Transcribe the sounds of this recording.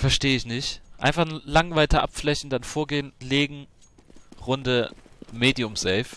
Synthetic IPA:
fɛɐʃteːəɪçnɪçtʔa̰ɪnfaχnlaŋvaɪltəʔa̰pflɛçn̩danfoːɐɡeːənleːɡŋ̩ | ʁʊndəmeːdiʊmsɛːf

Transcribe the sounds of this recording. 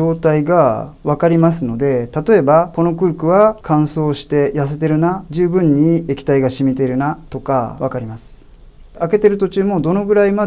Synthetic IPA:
o̞ːt̪aiɡaβakaɾʲimas̬ɨno̞d̪e̞t̪at̪o̞e̞bako̞no̞kɯ̟ɾɯ̟kɯ̟βakʰãɰ̃so̞ːɕi̥t̪e̞jas̬e̞t̪e̞ɾɯ̟nad͡ʑɨːbɯ̟̃ɲ̟ːiekʲi̥t̪aiɡaɕimʲit̪e̞ɾɯ̟nat̪o̞ka̰βakaɾʲimasɨ̥ | ake̞t̪e̞ɾɯ̟t̪o̞t͡ɕɨːmo̞d̪o̞no̞ɡɯ̟ɾaima

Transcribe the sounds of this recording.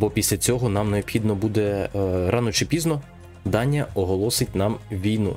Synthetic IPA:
bɔpʲisʲlʲɐt͡sʲɔɦɔnɑmneɔbxʲid̪nɔbud̪ɛɾɑnɔt͡ʃɪpʲiznɔ | d̪ɑnʲːɐɔɦɔlˠɔsɪt̚ʲnɑmʋʲijnṵ

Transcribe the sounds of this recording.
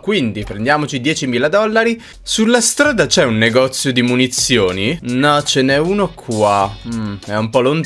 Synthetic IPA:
kwind̪ipɾend̪jaːmot͡ʃid̪jɛːt͡ʃimiːlad̪ɔlːaɾi | sulːast̪ɾaːd̪at͡ʃɛunːeɡɔt̪sːjod̪imunit̪sjoːninɔt͡ʃenɛunokʰwwa | ɛumpɔlont̪

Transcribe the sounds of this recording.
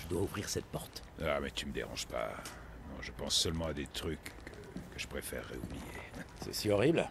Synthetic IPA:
ʒəd̪wauvʁiʁsɛt̪̚pɔʁt̪ | amɛt̪yməd̪ḛʁɑ̰̃ʒpa̰ | nɔ̃ʒəpɑ̃sːœlmɑ̃ad̪et̪χykːʰə | kəʒ̥ə̥pχefɛ̰ʁːeublijesɛ̰siɔʁibl

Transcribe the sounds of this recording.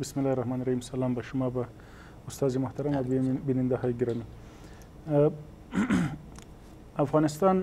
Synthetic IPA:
bɪsmɪlːɑiɾahmɑnɾahimsalɑːmbaʃʊmɑba | ʊst̪ɑːzimʊht̪aɾamabinɪnd̪ahɑjɡɪɾɑmi | afɣɑnɪst̪ɑn

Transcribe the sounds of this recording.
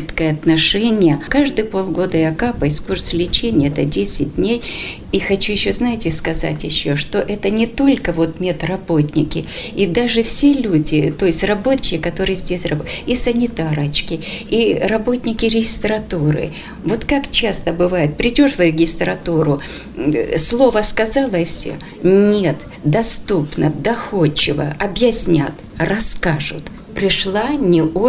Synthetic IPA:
t̪kəjəɐt̪nɐʂɛnʲɪjəkaʐd̪ɨjpo̞lˠɡo̞d̪əɪɐkapəɪskurslʲɪt͡ɕenʲɪjəɛt̪ədʲesʲɪd̚ʲdʲnʲej | ixɐt͡ɕujɪɕːo̞znajɪtʲɪskɐza̰tʲjɪɕːo̞ʂt̪o̞ʔɛt̪ənʲɪt̪o̞lʲkəvo̞t̪mʲet̪rɐbo̞tʲnʲɪkʲɪid̪aʐɨfsʲelʲudʲɪt̪o̞jɪsʲtʲrɐbo̞t͡ɕːɪkʲɪkɐt̪o̞ɾɨjəzʲdʲesʲrɐboisənʲɪt̪aɾət͡ɕkʲɪirɐbo̞t̪ʲnʲɪkʲɪɾʲɪɡʲɪst̪ɾɐt̪uɾɨ̰ | vo̞t̪kakt͡ɕast̪əbɨvajɪt̪̚pɾʲɪdʲo̞ʂvɾʲɪɡʲɪst̪ɾɐt̪uɾʊ | slˠo̞vəskɐzalˠəɪfsʲo̰ | nʲe̞t̪ | d̪ɐst̪upnəd̪ɐxot͡ɕːɪvə̰ɐbjɪsʲnʲat̪ | rɐskaʐʊ̰t̪ | pɾʲɪʂlˠanʲɪo

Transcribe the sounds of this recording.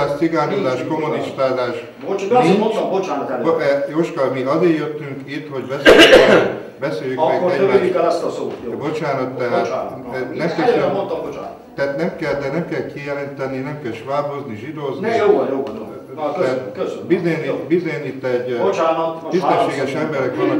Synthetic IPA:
ɛssiɡaːnozaːʃkkomuniʃt̪aːzaːʃ | oniɲt͡ʃbot͡ʃaːnɔt̪ɛlɛjoːʃkɒmiɒzeːjøt̪ːyŋkit̪ho̞ɟbɛsj | bɛseːjykmɛɡoɛøikɛlɛst̪ɒsoːjbo̞t͡ʃaːnɒt̪ːɛɦaːt̪ːnɛmsɛmont̪ɒmbot͡ʃa̰nɛaːt̪nɛmkɛld̪ɛnɛmkɛlkʰijɛlɛnt̪ɛninɛmkɛlʃʋaːbozniʒid̪oːznijoːjoːɔo | t̪ɛt̪køsbizenibizeːjnit̪ːɛɟbot͡ʃaːnɒt̪oisɛʃeːɡɛʃɛmbɛɾɛkʋɒnː

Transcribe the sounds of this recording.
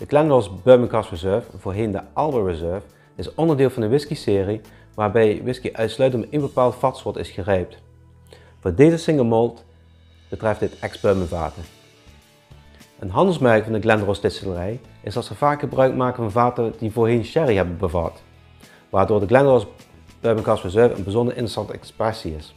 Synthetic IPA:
d̥əɡlɛndɹosbøɹmənkɑsɹizɜɹvvʊːɹɦendəʔɑlˠbəɹizɜɹv | ɪsɔndəɹdɪːlˠvɑndəʋɪskisɪːri | ʋaːɹbɛjʋɪskiʔœɥtslœɥtənmɛtenbəpaːlˠtfɑtsɔɹtɪ̰sxərɛjp̚t | v̥ʊːdejzəsɪŋəlˠmɔlˠt | b̥ətrɛfdɪtɛkzbøɹmənva̰ːtə | ʔənɦɑndəlˠsmɛrkvɑndəɡlɛndrostɪtsələrɛjɪsdɑtsəv̥aːkxəbrœɥkmaːkənvɑnvaːtədivoːɹɦenʃɛriɦɛbəbəvɑ̰t | ʋaːɹdoːɹdəɡlɛndros | b̥øməkɑsfəzøɹvə̰nbəzɔndəɹʔɪ̰ntəsɑntɛ̰ksprɛsiɪs

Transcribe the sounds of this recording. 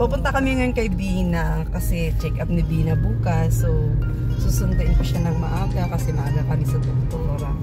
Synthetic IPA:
pɐpʊnt̪ɐkɐmijŋɐjoŋkɐɪbiːhɪnːɐkɐsɛt͡ʃɛkʔɐp̚nɪbinɐbuːkɐsːo | suːsʊnt̪ɐʔɪnpʊʃanɐŋmɐʔaːɡɐkɐsɛmɐʔɐɡɐkɐmɪsɐd̪ok̚t̪uːɾɐ

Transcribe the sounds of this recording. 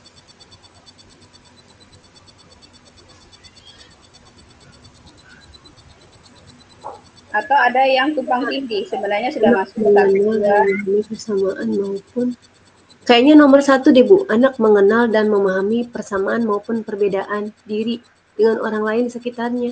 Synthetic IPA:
at̪awadajaŋt̪upaŋt̪iŋɡisəbənarɲasudanaasməŋənaldanməmaɦamipərsamaʔanmaupʊn | kajaʔɲanomərsat̪udebuʔanak̚məŋənaldanməmaɦamipərsamaanmaupʊnpərbedaʔandiɾi | dəŋanʔo̰ɾaŋlaɪnsəkit̪arɲa

